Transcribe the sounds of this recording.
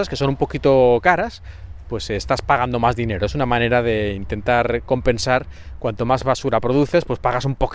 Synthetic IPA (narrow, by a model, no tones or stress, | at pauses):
aske̞so̞numpo̞kit̪o̞kaɾaspwe̞sest̪aspaɣ̞and̪o̞mazðine̞ɾoe̞sunamãne̞ɾaðe̞int̪e̞nt̪aɾko̞mpe̞nsaɾ | kwant̪o̞mazβasuɾapɾo̞ð̞uθe̞spwe̞spaɣasumpo̞k